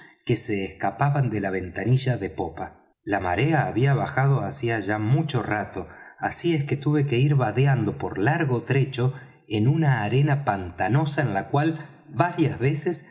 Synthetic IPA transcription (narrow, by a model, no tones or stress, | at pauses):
kese̞ːskapaβand̪e̞laβ̞e̞nt̪aniʒaðe̞po̞pa | lama̰ɾeaːβiaβaxað̞o̞asiaʒamut͡ʃo̞rat̪o̞asieske̞t̪uβe̞ke̞iɾβaðeand̪o̞poɾlaɾɣot̪ɾe̞t͡ʃo̞ | enunaːɾe̞napant̪ano̞saenlakwal | βaɾjazβeses